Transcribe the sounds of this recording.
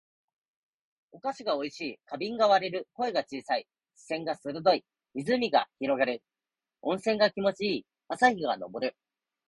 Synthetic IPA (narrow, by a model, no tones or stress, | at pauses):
o̞kaɕiɡao̞iɕiːkabʲĩŋɡaβaɾe̞ɾɯ̟ko̞e̞ɡat͡ɕiːsai | ɕi̥sẽ̞ŋɡasɨɾɯd̪o̞i | izɨmʲiɡaçiɾo̞ɡaɾe̞ɾɯ̟ | õ̞ɰ̃sẽ̞ŋɡakʲimo̞t͡ɕiiː | asaçiɡa̰no̞̰bo̞ɾɯ̟